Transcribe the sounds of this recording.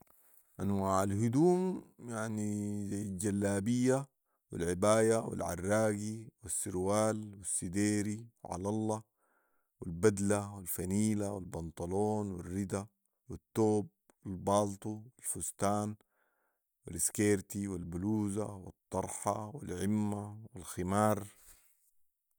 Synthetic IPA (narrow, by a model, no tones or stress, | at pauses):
ʔanwaʕalɦud̪uːmjaʕnizajːald͡ʒalːaːbijːa | wḭlʕibaːjawḭlʕa̰rːaːɡiwisːiɾwaːlwisːid̪eːɾiwʕɑ̰lɑlːɑ | wilbad̪lawilfaniːlawilbɑnt̪ˤɑloːnwirːid̪a | wit̪ːoːb̚ | wilbɑːlt̪ˤuwilfust̪aːn | wiliskeːɾt̪iwilbuluːza̰wɪt̪ˤːɑɾˤħɑ̰wḭlʕimːawilximɑːɾˤ